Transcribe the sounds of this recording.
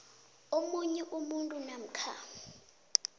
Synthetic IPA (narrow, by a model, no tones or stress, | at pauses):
omuɲɛʔumuntʼunam̩kʰa̰